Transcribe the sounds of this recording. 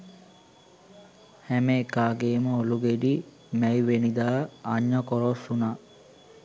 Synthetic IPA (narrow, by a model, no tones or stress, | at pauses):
hæməekaːɡeːməoluɡeɖi | mæjʋenid̪aːaɲːəkoɾosunaː